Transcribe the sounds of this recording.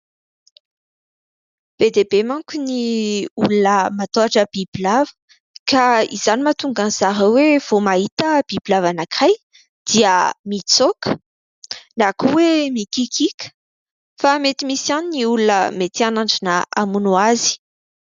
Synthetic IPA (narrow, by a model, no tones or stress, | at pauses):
b̥ed̪ebemaŋkuniulunəmat̪oaʈ͡ʂəb̥ibilavə̥ | kaḭz̥animat̪uŋɡanz̥aɾəwev̥omaɦit̪əb̥ibilavanakaj | d̪̥iəmit͡sokə̥ | nakuwemikikikʲə̥ | famet̪imisianiniulunə̰met̪ianaɳɖ͡ʐinəa̰munuazi̥